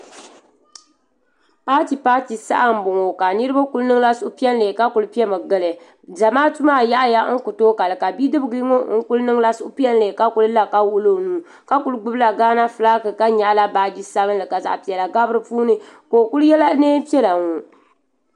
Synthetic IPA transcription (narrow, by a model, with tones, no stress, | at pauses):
paː˦ti˨paː˦ti˨sa̰˦ʔa˦m̩˨bʊ˨ŋo˨ka˨nɨ˦ɾɨ˦ba˦ku˦lnɨ˦ŋ˦la˦sʊ˦ʔʊ˦pi˦ɛ˦n˦le˨ka˦ku˨lɨ˦pi˦ɛ˦mɨ˨ɡɨ˦˨lɨ˨ | da˨maː˦tu˦maː˦˨ja˦ʔa˦ja˦ŋ̩˦kʊ˨toː˦ka˨lɨ˨ka˨bi˦dɨ˦bɨ˨ɡɨ˦ŋo˦ŋ̩˦ku˦lnɨ˦ŋ˦la˦sʊ˦ʔpi˦ɛ˦n˦le˨ka˦ku˨lɨ˦la˦ka˦wʊ˦lo˦˨nuː˨ | ka˦ku˦lɨ˦ɡ͡bɨ˦bla˨ɡaː˦na˦fɨ˨laː˦kɨ˨ka˦ɲa˨ʔla˦baː˨d͡ʒi˦sa˦bɨ˦nlɨ˨ka˨za̰˨ʔpi˨ɛ˨la˨ɡa˦bɾɨ˨puː˦nɨ˦ko˨ku˦ljɛ˦la˦neː˦pi˦ɛ˦la˨ŋo˨